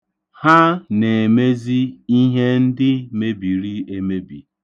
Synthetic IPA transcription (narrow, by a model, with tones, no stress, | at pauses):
ha˦ne˨e˨me˦zi˦i˦ɦe˦n̩˦dɪ˦me˦bi˨ɾi˦e˦me˦bḭ˨